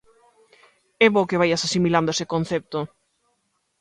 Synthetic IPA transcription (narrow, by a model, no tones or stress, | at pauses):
ɛβokɪβajasasimiland̪oesekon̟θɛp̚t̪o